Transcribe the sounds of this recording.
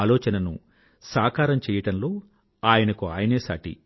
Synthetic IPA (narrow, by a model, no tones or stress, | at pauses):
lɔːt͡ʃɐnɐnṵ | saːkaːɾɐmt͡ʃɛːjɐɽɐnlo̞ː | aːjɐnɐkua̰ːjɐne̞ːsa̰ːʈḭ